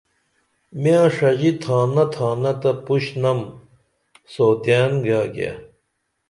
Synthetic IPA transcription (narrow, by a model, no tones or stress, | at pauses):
mijãːʂɐd͡ʑit̪ʰaːnɐt̪ʰaːnɐt̪ɐpuɕnɐm | soːt̪jaːnɡaːɡa̰ː